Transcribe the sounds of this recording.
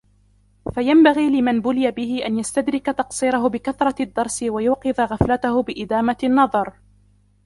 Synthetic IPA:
fajambaɣiːlɪmanbʊlɪjabɪhɪʔanjast̪ad̪ɾɪkat̪ɑqsˤiːɾɑɦʊbɪkaθɾˤɑd̪ːɑɾˤsɪwajuːqɨðaɣaflat̪ahʊbɪʔɪd̪aːmanːɑðˤɑɾˤ

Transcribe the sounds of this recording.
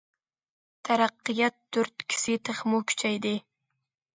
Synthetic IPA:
t̪ʰaɾɑqːɨjɑt̪̚ːʊɾt̪kʲʰɪ̥sɪt̪ʰɨχmukʲʰy̥t͡ʃʰajd̪ɪ

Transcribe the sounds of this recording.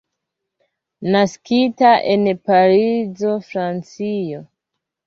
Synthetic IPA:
naskitaʔenpaɾizo̞fɾant͡sio

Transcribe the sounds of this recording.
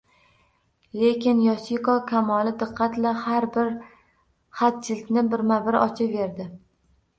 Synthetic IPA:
le̞kʲɪnjɒsikɒkʲʰamɒlɪd̪ɨqʰːɑt̪lahaɾbɪɾ | χat̪̚t͡ʃʰɪlɪkʲnɪbɪɾmabɪɾɒ̰t͡ʃʰave̞ɾd̪ɪ

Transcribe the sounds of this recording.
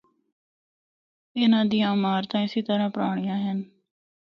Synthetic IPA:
ɪnãːd̪iːjãːmaːɾt̪ãːɪsiːt̪əɾãːpɾaːɳ̃ɪjãːɦən

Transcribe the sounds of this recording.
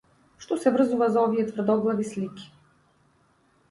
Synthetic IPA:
ʃt̪ɔsɛvr̩zuvazaɔviɛt̪vr̩d̪ɔɡlˠavislikʲi̥

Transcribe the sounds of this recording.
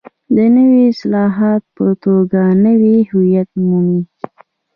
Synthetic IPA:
d̪ənəwiɪslɑɦɑt̪̚pət̪oɡanəwihʊjat̪mumi

